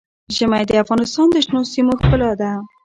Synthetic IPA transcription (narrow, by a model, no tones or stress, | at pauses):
ʒəmajd̪əafɣɑnɪst̪ɑnd̪əʃnosimoxpəlɑd̪a